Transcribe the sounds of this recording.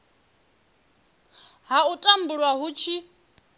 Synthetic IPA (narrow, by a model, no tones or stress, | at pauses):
ɦautʼambuɺwaɦut͡ʃʰi